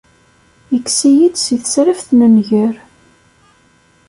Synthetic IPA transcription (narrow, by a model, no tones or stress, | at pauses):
əkːsijid̪siθə̥sɾəfθnənʝəɾ